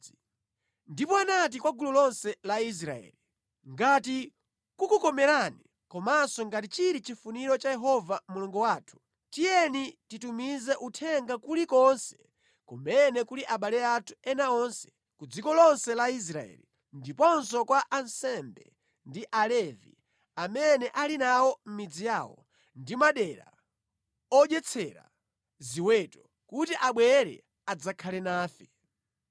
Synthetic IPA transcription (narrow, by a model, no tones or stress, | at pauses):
ndipɔanat̬ikwaɡululɔnsɛlais̬ɾa̰ɛ̰ːli | ŋɡati | kukukɔmɛɾani | kɔmasɔŋɡatit͡ʃiɾit͡ʃifuniɾɔt͡ʃajɛɦɔvamuluŋɡuwaːtʰu̥ | tijɛnititumizɛʔutʰɛŋɡakulikɔnsɛ̥ | kumɛnɛkuliʔaɓalɛatʰu̥ɛnaɔnsɛ̥ | kud͡zikɔlɔnsɛlais̬ɾaɛ̰li | ndipɔnsɔkwaʔansɛmbɛ̰ | ndiʔalɛvḭ | amɛnɛʔalinawɔm̩mid͡zijaːwɔ̰ | ndimaɗɛɾa̰ | ɔɗjɛt͡sʰɛɾa̰ | ziwɛtɔ | kutiʔaɓwɛɾɛ̰ | ad͡zakʰalɛnaːfɛ